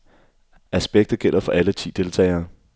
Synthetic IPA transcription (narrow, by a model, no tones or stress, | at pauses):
ʔæsb̥eɡ̥̚d̥ð̩ˠɡ̥el̰ɐfɒ̽ʔælət͡sʰḭːd̥e̝lt͡sʰɛ̰ːɪɐː